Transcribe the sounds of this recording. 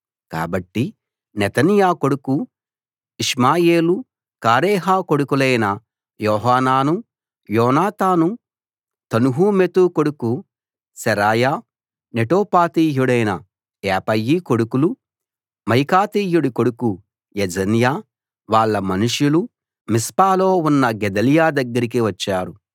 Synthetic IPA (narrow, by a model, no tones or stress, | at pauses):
ka̰ːbɐʈːi | nɛt̪ɐnjaːko̞ɽuku | iʂmaːjeːlu | kaːɾɛːɦaːko̞ɽukulɐjnɐ | jɔːɦaːnaːnu | jɔːnaːt̪aːnu | t̪ɐnuɦumet̪uko̞ɽuku | sɛɾaːjaː | neʈoːpaːt̪iːjuɽɐjnɐ | ɛːpɐjːiːko̞ɽukulu | mɐjkaːt̪iːjuɽikoɽuku | jed͡ʒɐnjaː | ʋaːɭːɐmɐnuʂjulu | mispaːlo̞ːunːɐɡɛd̪ɐlijaːd̪ɐɡːɐɾik̬iʋɐt͡ʃːaːɾu